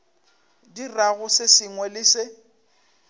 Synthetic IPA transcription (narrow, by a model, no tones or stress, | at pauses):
diraɣʊsɪsɪŋwɛlɪsɪ